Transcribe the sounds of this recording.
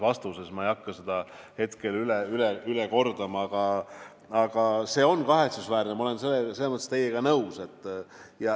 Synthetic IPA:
vɑst̪usesmɑejɑkːɑsed̪ɑ | he̞t̪ke̞lyleyleyleko̞rd̪ɑmɑɑɡ̥ɑ | ɑɡ̥ɑse̞ːo̞nkɑɦe̞t̪susvæːrnemɑole̞nselːeselːemɤt̪ːˑet̪ejːeɡ̥ɑnɤwse̞t̪ˑːjɑ

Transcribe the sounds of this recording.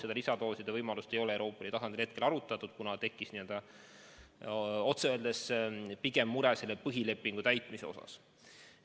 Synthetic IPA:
se̥ɑlisɑt̪o̞ːsid̪ɑvɤjmɑlust̪e̞jo̞lewɾo̞ːpːˑɑlit̪ɑsɑnd̪ilhe̞t̪̚ke̞lɑɾut̪ːˑɑt̪ːˑud̪̥kunɑt̪e̞kːˑisniøld̪̥ɑ | o̞t̪seøːld̪̥espiɡe̞mːuɾese̞lːepɤɦile̞pːiŋɡ̥ut̪æjt̪ˑmise̞o̞sɑ̰s

